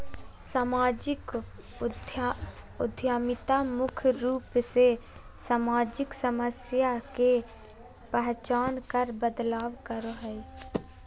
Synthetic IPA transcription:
saːmaːd͡ʒɪk | ʊd̪ʱjaːmɪt̪amʊkʰɾuːpse | saːmaːd͡ʒɪksəməsjake | pəɦt͡ʃaːnkəɾbəd̪laːwkəɾoɦɛi

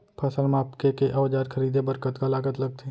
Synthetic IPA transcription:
pʰasəlmaːpkekeʔɐʋd͡ʒaːɾkʰəɾiːd̪ebəɾkət̪kalaːɡət̪lɐɡ̚t̪ʰe

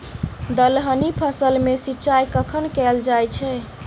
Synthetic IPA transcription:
d̪əlɦənipʰəsəlmesitːt͡ʃajkəkʰənkɛld͡ʒajt͡ʃʰɛ

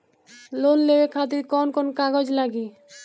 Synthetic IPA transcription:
lonlebekʰat̪̬iɾkɔnkɔnkaɡɔd͡ʒlaɡi

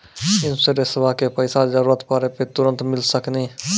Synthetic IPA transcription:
ɪnseɾesəbakepəɪsad͡ʒəɾuɾət̪pəɾepet̪uɾənt̪mɪlsəkni

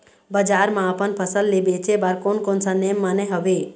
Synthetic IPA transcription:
bəd͡ʒaːɾmãəpənpʰəsəlːebeːt͡ʃebaɾkonkonsanemːəneɦəʋe

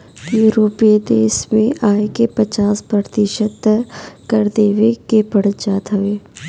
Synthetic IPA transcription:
juːɾoːped̪eːʃmẽʔaːekepɐt͡ʃaːspɾət̪ɪʃəd̪kɐɾd̪eːʋekepəɽd͡ʒaːt̪ɦɐʋeː

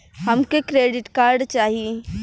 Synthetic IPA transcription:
həmkekɾeːɖɪʈkaːɾɖt͡ʃaːɦie

